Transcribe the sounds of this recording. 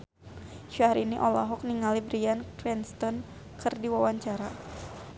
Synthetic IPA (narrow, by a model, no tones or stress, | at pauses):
ʃaɾiniʔɔla̰ɦɔk̚niŋalibɾiankɾɛnst̪ɔn | kɨrdiwawaɲt͡ʃaɾa